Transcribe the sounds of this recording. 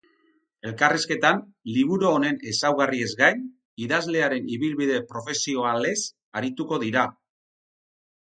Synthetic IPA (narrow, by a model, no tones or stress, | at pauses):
e̞lkariske̞t̪an | liβ̞uɾoːne̞ne̞sawɣarie̞zɡajn | iðazle̞aɾe̞niβilβiðe̞pɾo̞fe̞sio̞ale̞s | aɾit̪uko̞ðiɾa